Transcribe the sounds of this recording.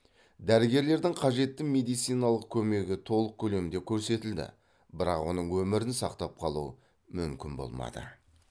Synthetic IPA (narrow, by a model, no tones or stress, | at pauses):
d̪æɾɪɡʲe̞ɾle̞ɾd̪ɪŋqʰɑʒe̞t̪ːɪme̞d̪ijt̪sijnɑlˠəq̚kʲʰɵme̞ɡʲɪt̪ʰo̞lˠəq̚kʲʰɵle̞mɪnd̪e̞kʲʰɵɾse̞t̪ɪld̪ɪ̰ | bɪɾɑqwo̞̰nəɴwɵmɪɾɪnsɑqt̪ɑp̚qʰɑlˠuə | mʏmkʲɪnbo̞̰lˠmɑ̰d̪ə̰